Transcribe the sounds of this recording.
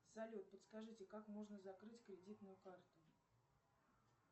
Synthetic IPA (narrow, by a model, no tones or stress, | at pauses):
zɐlʲot̪̚pət̪skɐʐɨtʲɪkakmo̞ʐnəzɐkɾɨtʲkɾʲɪdʲit̪nʊjʊkart̪ʊ